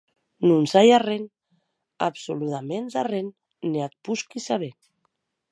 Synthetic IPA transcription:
nunsajaren | a̰psoluðamenzarenː | eat̪̚puskisaβen

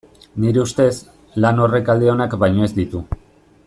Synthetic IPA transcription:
niɾeust̪e̞s | lano̞re̞kald̪eo̞nakbajɲo̞e̞zd̪it̪u

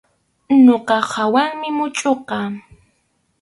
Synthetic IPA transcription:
noqɑhawaŋmɪmʊt͡ʃʼoqɑː

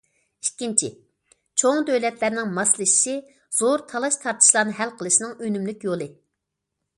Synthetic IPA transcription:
ikʲːint͡ʃʰi | t͡ʃʰoŋd̪øwlɛt̪læɾnɪŋmɑslˠɨʃi̥ʃi | z̥oɾt̪ʰɑlˠɑʃt̪ʰɑɾt̪ʰɨ̥ʃlˠɑːnɨɦælqʰəlˠɨʃinɨŋønymlykʲjolˠɨ

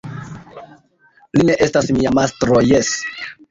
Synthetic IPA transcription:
line̞ʔe̞stasmiamastɾojes

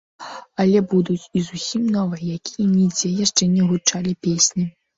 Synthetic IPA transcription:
ɐlʲɛbud̪ut͡sʲizusʲimnɔvɨjjakʲijɛnʲid͡zʲɛjaʂt͡ʂɛnʲɛɣut͡ʂalʲipʲesʲnʲi

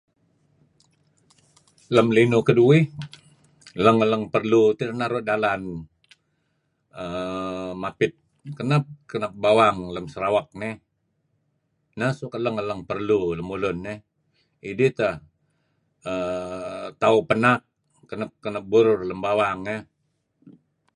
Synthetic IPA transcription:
ləmlinukəduɪh | ləŋələŋpərlut̪iɾənaɾoʔdalan | əmapɪt̪̚ | kənəp̚kənap̚bawaŋləmsəɾawak̚nɪh | nasukələŋələŋpərluləmulʊnːɪh | idit̪əh | ə | t̪aupənak̚ | kənəp̚kːənəp̚buɾʊrləmbawaŋəh

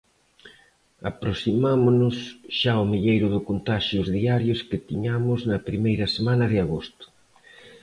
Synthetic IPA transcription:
apɾosimamʊnʊsʃaomiʎejɾʊðʊkont̪aʃjʊzðiaɾjʊskɪt̪iɲamʊznɐpɾimejɾɐsemanɐðɪaɣost̪ʊ̥

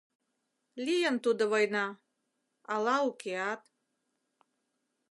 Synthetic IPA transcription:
lʲijənt̪ud̪ɤ̆βɔjnɑ | ɑlˠɑukeɑt̪

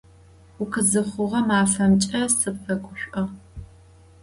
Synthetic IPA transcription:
ʊkʰɨzɨχʷʊʁɐmaːfɐmt͡ʃʼɐsɨpfɐɡʷʼʊɕʷʼʔɐʁ

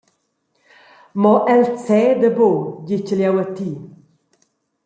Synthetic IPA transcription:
mɔʔɛlt͡sɛːd̪əboɟit͡ʃəljawat̪iː

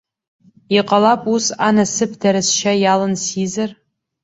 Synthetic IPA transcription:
iqʼɐlapʼusanɐsɨpʰdɐɾɨsʃɐjaːlɨnsiːzɨr

